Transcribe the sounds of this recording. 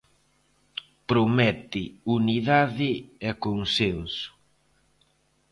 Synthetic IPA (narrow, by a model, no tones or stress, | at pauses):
pɾomɛt̪ɪuniðaðɪɛkoŋsensʊ̥